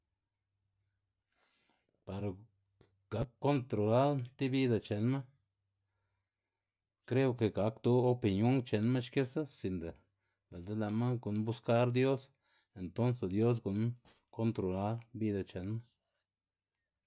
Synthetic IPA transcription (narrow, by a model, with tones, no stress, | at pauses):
pa˨ɾa˨ | ɡ̥a˨˦kːo˦nt̪ɾo˨la˦lt̪i˦bi˦d̪a˧˨t͡ʃe˨nma˦ | kɾe˦u˧ke˧˨ɡa˨˦kt̪u˧˦o˦pi˧njo˦ŋt͡ʃe˨nma˦ʃke˦sa˦si˧nd̪a˨ | ba˨ld̪e˦la˨ma˦ɡu˨nbu˦ska˦ɾd̪jo˦s | e˨nt̪o˦nse˧d̪jo˦s̬ɡu˨n | ko˦nt̪ɾo˨la˦lbi˦d̪a˧t͡ʃe˨nma˦